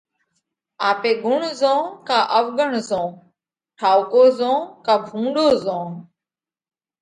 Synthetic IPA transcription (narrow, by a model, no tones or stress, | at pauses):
aːpeːɡʊɳzõːkãːʔəʋɡəɳzõː | ʈʰaːʊkoːzõːkãːbʱũːɖoːzõː